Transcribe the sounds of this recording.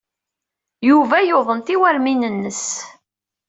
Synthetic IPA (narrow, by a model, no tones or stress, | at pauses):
juvæjoðˤənt̪iwæɾminənːəs